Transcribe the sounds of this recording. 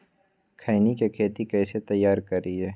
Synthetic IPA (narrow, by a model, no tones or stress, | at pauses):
kʰaːnikekʰeːt̪ikɛːset̪ɐjːaːɾkɐɾiɦɛː